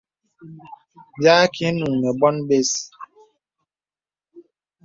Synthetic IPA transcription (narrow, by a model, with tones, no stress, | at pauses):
bja˦ki˦nu˨ŋmɛ˨bɔ˦nbe˦s